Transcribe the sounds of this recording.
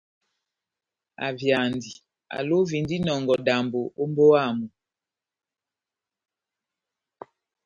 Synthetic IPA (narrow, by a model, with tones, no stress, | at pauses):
a̰˨vja˨ndi˨ | a̰˨lo˦vi˨ndi˦nɔ˨ŋɡɔ˨da˨mbo˨ʔo˦mbo˦a˦˨mu˨